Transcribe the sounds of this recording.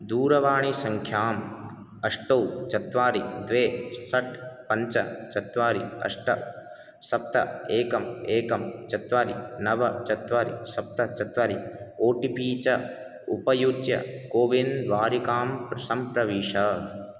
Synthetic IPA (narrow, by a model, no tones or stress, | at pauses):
d̪uːɾɐʋaːɳisɐŋkʰjaːm | ɐʂʈowt͡ʃɐt̪ʋaːɾid̪ʋeːsɐʈpɐɲt͡ʃɐ̰t͡ʃɐt̪ʋaːɾiɐ̰ʂʈɐ̰ | sɐp̚t̪ɐ̰eːkɐmeːkɐmt͡ʃɐt̪ʋaːɾinɐʋɐt͡ʃɐt̪ʋaːɾḭsɐp̚t̪ɐt͡ʃɐt̪ʋaːɾioːʈipiːt͡ʃɐ | upɐjut͡ʃjɐ̰koːʋinʋaːɾikaːmpɾɐsɐmpɾɐʋiːʂɐ